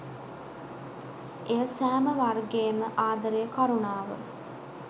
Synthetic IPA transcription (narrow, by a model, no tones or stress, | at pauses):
ejəsæːməʋarɡeːməʔaːd̪əɾejəkaɾunaːʋə̰